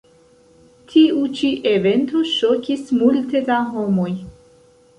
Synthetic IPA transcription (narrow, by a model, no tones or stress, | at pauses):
tʰiut͡ʃiʔe̞ve̞nto̞ʃo̞kismulte̞daɦo̞mo̞j